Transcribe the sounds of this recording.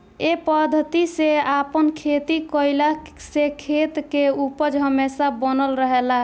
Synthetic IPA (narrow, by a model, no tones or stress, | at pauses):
epəd̪ʱət̪iseapənkʰet̪ikəjlasekʰet̪keupəd͡ʒɦəmesabənəlɾəɦela